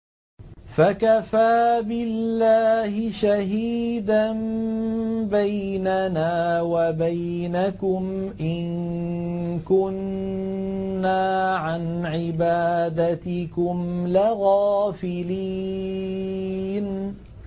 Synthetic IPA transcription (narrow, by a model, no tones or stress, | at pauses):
fakafaːbɪlːaːhɪʃaɦiːd̪an | bajnanaːwabaj | nakʊm | ʔɪn | kʊn | aːʕanʕɪbaːd̪at̪ɪkʊmlɪɣaːfɪli | n